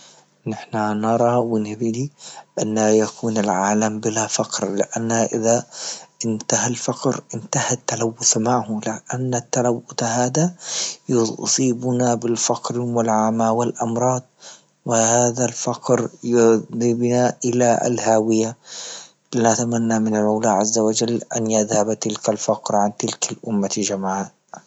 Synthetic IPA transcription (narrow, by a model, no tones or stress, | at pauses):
nɪħnanɑɾˤɑwɪnɪbd̪iʔanːajakʰuːnalʕaːlambɪlafaqɾlɪʔanːaʔɪðaʔɪnt̪ahalfɑqɾʔɪnt̪ahat̪ːalawːʊθmaʕhʊlɪʔanːat̪ːalawːʊt̪ahaːd̪ajsˤiːbʊnabɪlfɑqɾɪmɪlʕamːaːwɪlʔɑmɾˤɑːd̪̚ˤ | wɪhaːðalfɑqɾjd̪ˤiːbnaʔɪla̰lhaːwɪja | lɪnat̪amanːamɪnalʔawlaːʕazːawad͡ʒalːʔa̰njɪðhabt̪ɪlkalfɑqɾʕant̪ɪlkʰalʔʊmːad͡ʒamʕaː